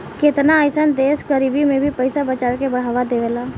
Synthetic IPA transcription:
kɪt̪naəɪsənd̪eːsɡəɾiːbimẽbʱipəɪsabət͡ʃaːɽkebɐɽ̤aːʋad̪eʋeːlaː

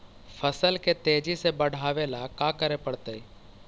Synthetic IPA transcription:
fʰəsəlket̪eːd͡ʒisebəɽ̤ʱaːʋelakaːkəɾepəɽt̪əi

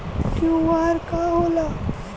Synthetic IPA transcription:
kjũːʋaːɾkaɦola

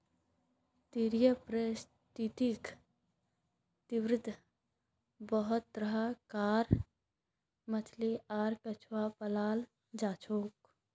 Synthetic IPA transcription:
t̪iɾjəpɾes | t̪it̪ik | t̪ɪwɾɪd̪ʱ | bəɦʊt̪̚ːɾəɦəkaːɾ | mət̪ʰliʔaːɾkɐt͡ʃʰwapəlaːl | d͡ʒaːt͡ʃʰoːk

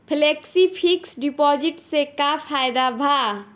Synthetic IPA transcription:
pʰleːksipʰiksɖipɔːd͡ʒɪʈsekapʰaːjd̪abʱa

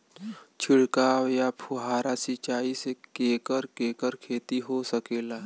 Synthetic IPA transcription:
t͡ʃʰɪɽkaːwjapʰʊɦaːɾasit͡ʃaːisekeːkəɾkeːkəɾkʰeːt̪iɦosəkeːlaː

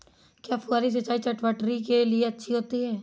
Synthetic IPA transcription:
kjaːfuaːɾis̬et͡ʃaːit͡ʃɐʈʋəʈɾikelieɐtːʃʰiɦoːt̪iɦɛː

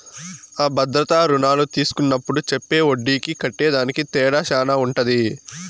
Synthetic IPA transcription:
aːbɐd̪ɾɐt̪aːɾunaːlut̪iːsu̥kunːɐpːuɽut͡ʃepːe̞ːoɖːiːkikɐʈːeːd̪aːnikit̪ɛːɽaːʃaːnauɳʈɐd̪i

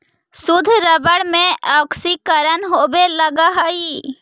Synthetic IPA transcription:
sʊd̪ʱɾəbəɽmẽɔːksikəɾənɦobeləɡaɦəi

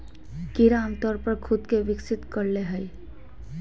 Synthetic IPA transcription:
kiɾamt̪ɔɾpəɾkʰud̪keʋiksit̪kəɾleɦəj

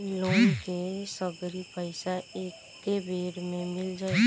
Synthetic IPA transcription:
loːnkesəɡɾipəɪsaeːk | t̪ːebʱeːɾmẽmɪld͡ʒaːe

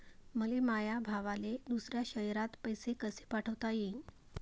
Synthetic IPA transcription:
məlemajabʱaʋaled̪usɾjaɕəjɾat̪pəjsekəse̥paʈʰəʋt̪ajeiːn

